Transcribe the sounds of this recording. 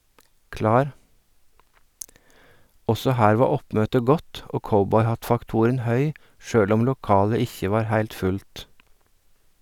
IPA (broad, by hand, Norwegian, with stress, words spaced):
ˈɔsɔ ˈhæːɾ ˈʋɑː ˈɔpmøːtə ˈɡɔt ˈʔoː ˈkɔbɔʏˌhɑtfɑkˌtʊɾən ˈhœʏ ˈʃøːɽ ˈʊm lʊˈkɑːlə ˈɪçə ˈʋɑːɾ ˈhæɪlt ˈfʉlt